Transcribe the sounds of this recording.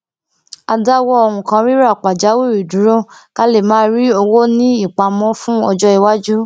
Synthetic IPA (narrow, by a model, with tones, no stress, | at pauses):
a˧da˦wɔ˦ɔ˧hũ˨kã˧ɾi˦ɾa˦˨k͡pa˨d͡ʒa˨˦wi˦˨ɾi˨dũ˨˦ɾõ˦ka˦le˦˨mãː˨˦ɾi˦o˧wo˦nĩ˦i˦˨k͡pa˧mɔ̃˦fũ˦ɔ˧d͡ʒɔ˦i˧wa˦d͡ʒu˦